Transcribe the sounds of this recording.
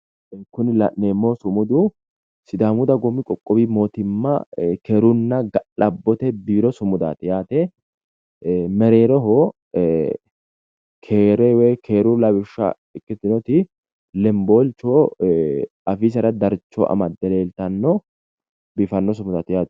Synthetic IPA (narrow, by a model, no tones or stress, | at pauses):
kʊnɪlɐʔneːmːoːsʊmʊd̪ʊ | sɪd̪aːmʊd̪ɐɡɔmːɪkʼɔkʼːɔbiːmo̞ːt̪ɪmːɐkeːɾʊnːɐɡɐlɐbːɔt̪ɛbiːɾɔsʊmʊd̪a̰ːt̪ɪjaːt̪ɛ | mɛɾe̞ːɾɔɦo | kʰeːɾɛwɛkʰe̞ːɾʊlɐbɪʃːɐ̰ | ɪkːɪt̪ɪnɔt̪ɪ | lɛmboːlt͡ʃːoː | ɐfiːs̬ɐɾɐd̪ɐɾt͡ʃːɔ̰ʔɐ̰mɐd̪ːɛle̞ːlt̪ɐnːɔ | bɪfɐnːɔsʊmʊd̪aːt̪ɪjaːt̪ɪ̥